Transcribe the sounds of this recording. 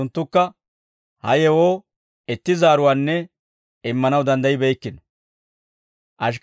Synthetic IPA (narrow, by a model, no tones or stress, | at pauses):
ʊnt̪ːʊkːɐ | hɐjɛwoː | ɛt̪ːɪzaːɾʊwaːnːɛ | ɪmːɐnɐwd̪ɐnd̪ɐjɪbɛjkːɪn | ʔɐʃ̬k